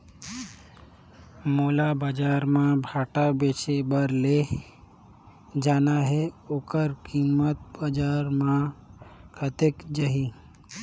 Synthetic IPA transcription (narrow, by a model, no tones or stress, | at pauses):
moːlabad͡ʒaːɾmãbʱaːʈabeːt͡ʃebəɾle | d͡ʒaːnaɦɛoːkəɾkimət̪̚bad͡ʒaːɾmã | kʰət̪ekd͡ʒəɦi